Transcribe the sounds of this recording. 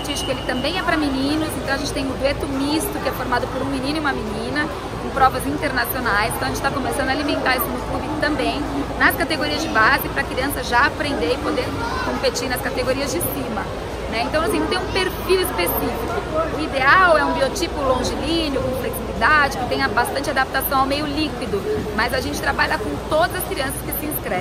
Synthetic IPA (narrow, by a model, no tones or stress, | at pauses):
t͡ʃist͡ʃɪkʊelɪt̪ɐ̃mbẽj̃ɛpɾɐminĩnʊsẽt̪ɐ̃ɐʒẽt͡ʃɪt̪ẽj̃ʊ̃d̪wet̪ʊmist̪ʊkɪɛfoɾmad̪ʊpoɾũminĩnʊiũmɐminĩnɐ | ẽpɾɔvɐzĩnt̪eɾnasionajspɾt̪kɐ̃ʒẽt͡ʃɪt̪akomesɐ̃d̪ʊalimẽnt̪aɾɛsʊmʊskuviʊt̪ɐ̃mbẽj̃nɐskat̪eɡoɾiɐzd͡ʒɪbazɪpɾɐkɾiɐ̃sɐʒaapɾẽnd̪eɾɪpod̪eɾ | kõpet͡ʃiɾnɐskat̪eɡoɾiɐzd͡ʒɪsimɐ | nɛẽnt̪ɐ̃w̃ɐsĩñt̪ẽũpeɾfiwʊd͡ʒɪpeɾfiziʊʊid̪eawɛũbiot͡ʃipʊlõʒɪlĩnɪʊkõsleksilid̪ad͡ʒɪkɪt̪ẽj̃ɐbast̪ɐ̃nt͡ʃɪad̪ap̚t̪asɐ̃w̃awmejʊlikwid̪ʊmɐzaʒẽnt͡ʃɪ̥t̪ɾabaʎɐkõt̪od̪ɐzɐskɾiɐ̃sɐskɪsɪĩskɾɛ̃